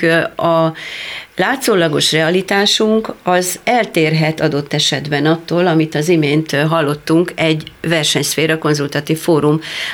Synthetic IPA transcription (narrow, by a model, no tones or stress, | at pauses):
ɒ | laːt̪soːlɒɡo̞ʃrɛɒlit̪aːʃuŋkɒzɛlt̪eːrɦɛt̪ɒd̪o̞t̪ːɛʃɛd̪bɛnɒt̪ːoːlɒmit̪ɒzimeːnt̪ɦɒlːo̞t̪ːuŋkɛɟvɛrʃɛɲsfeːɾɒko̞nzult̪ɒt̪iːfːoːɾum